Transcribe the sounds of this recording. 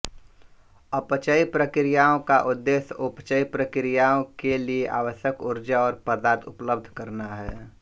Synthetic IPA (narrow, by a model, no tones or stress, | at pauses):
əpt͡ʃəipɾəkɾijaːõkaʔʊd̪ːeːsʊpt͡ʃəipɾəkɪɾijaõkelieʔa̰ːʋəʃjəkʊɾd͡ʒaɔːɾpəd̪aːɾt̪ʰʊpləb̚d̪ʱkəɾnaɦɛː